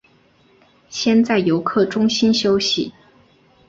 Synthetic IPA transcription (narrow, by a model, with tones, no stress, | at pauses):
ɕjɛ˥˧nt͡sa˥˩ɪjo˧˥ʊkʰɤ˥˩ʈ͡ʂʊ˥ŋɕi˥nɕjo˥ʊɕi˥˩